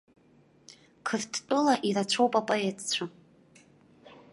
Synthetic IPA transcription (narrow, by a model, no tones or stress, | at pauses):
kʰɨrtʰtʼɨlaʔiɾat͡ɕʷʰowpʼapʼoetʰt͡ɕʷʰa